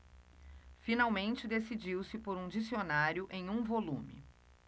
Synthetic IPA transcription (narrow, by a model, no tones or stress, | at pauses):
finawmẽnt͡ʃɪd̪esid͡ʒiwsɪpoɾũd͡ʒisionaɾjʊʔẽj̃ũvolũmɪ̰